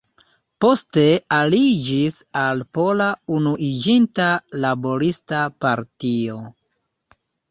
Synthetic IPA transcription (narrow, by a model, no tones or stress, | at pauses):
po̞ste̞alid͡ʒisalpo̞launuʔid͡ʒintalabo̞ɾistapaɾtio̞